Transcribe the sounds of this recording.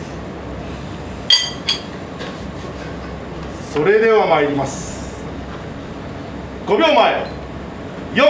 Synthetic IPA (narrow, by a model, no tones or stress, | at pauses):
so̞ɾe̞d̪e̞βamaiɾʲimasɨ̥ | ɡ̥o̞bʲõ̞ːmːae | jo